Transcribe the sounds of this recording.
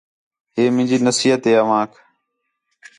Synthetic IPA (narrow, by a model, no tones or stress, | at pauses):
ɦeːmɪ̃ːd͡ʑiːnəsiːɦət̪ɦeːəʋãːkʰ